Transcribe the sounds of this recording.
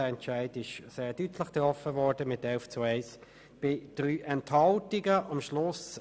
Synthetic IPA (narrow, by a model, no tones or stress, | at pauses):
əɛnt͡ʃaɪdɪʃseːɐdytʰləχɡ̥əɔfəvɔʁdəmɪtɛlft͡suaɪs | b̥ɪd̥ʁyːʔɛnthɑltɪɡəʔɑmʃlʊs